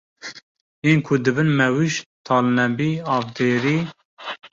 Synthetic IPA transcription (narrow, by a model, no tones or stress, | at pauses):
eːnkʰʊd̪ɨbɨnmɛwiʃt̪ʰɑːlnɛmbiːɑːvd̪eːɾiː